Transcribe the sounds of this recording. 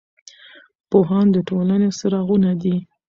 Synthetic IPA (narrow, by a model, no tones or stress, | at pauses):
poɦɑnd̪əʈolanesəɾɑɣunad̪i